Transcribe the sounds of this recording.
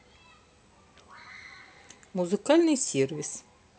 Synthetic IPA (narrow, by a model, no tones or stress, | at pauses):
muzɨkalʲnɨjsʲirʋʲis